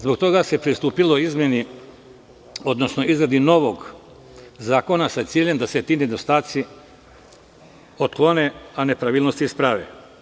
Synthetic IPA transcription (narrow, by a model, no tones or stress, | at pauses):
zbo̞k̚t̪o̞ɡase̞pɾist̪uːpilo̞izmʲje̞ni | o̞d̪no̞sno̞ʔizɾad̪ino̞ʋo̞ɡ | zaːko̞nasat̪siːʎe̞md̪ase̞t̪iːned̪o̞st̪aːt̪si | ot̪klˠo̞ne̞ane̞pɾaʋiːlˠnost̪ispɾaʋḛ